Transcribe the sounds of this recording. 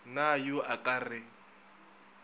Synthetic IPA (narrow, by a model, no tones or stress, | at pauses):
najʊʔakʼarɪ